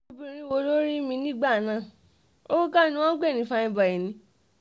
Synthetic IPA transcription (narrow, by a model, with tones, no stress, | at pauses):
o˧bĩ˧˨ɾi˦wo˧˦lo˦ɾi˦mĩ˧nĩ˦ɡ͡ba˦˨nãː˦˨ | o˦o˦ka˦˨nĩ˧w̃ɔ̃˦ɡ͡bɛ˦˨nĩ˨˦˨fa˧ĩ˧ba˨i˨nĩ˧˦